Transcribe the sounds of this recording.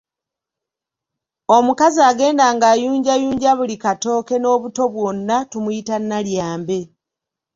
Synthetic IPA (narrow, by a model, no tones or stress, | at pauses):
o̞mukaziaɡe̞ːndaːŋɡaːjuːɲɟajuːɲɟaβulikato̞ːke̞no̞ːβuto̞βwo̞nːatumujitanːaljaːmbe̞